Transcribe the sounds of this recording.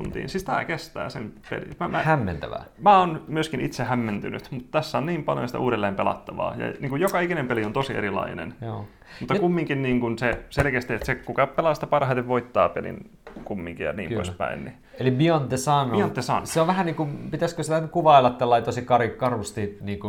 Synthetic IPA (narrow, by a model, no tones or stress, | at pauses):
t̪unt̪ḭːnsiit̪æ̰kest̪æ̰ːsempḛlḭmæmæhæmːent̪æ̰ʋæ̰mæonmyøskinit̪sehæmːent̪ynyt̪mut̪t̪æsːæonniːmpɑljo̰jɑsi̥t̪æʔuːɾelːeːmpelɑ̰t̪ːɑʋɑ̰ːjɑ̰niːŋkujokɑikinempeliont̪osiḛɾilɑ̰inḛnjoː | mut̪ːɑkumːiŋkinniːŋkunseselkeæst̪iet̪sekukɑpelɑːsit̪æpɑrhɑit̪eʋʋoit̪ːɑ̰ːpelḭn | kumːiŋkijɑ̰nḭːmo̰ispæ̰inni | elimiont̪ːesɑːnːumiont̪ːesɑ̰ːnːseoʋʋæhæniːŋkumpit̪æskøsit̪ænykuʋɑilːɑt̪t̪ːælːɑit̪osikɑrikɑrust̪iːniːŋku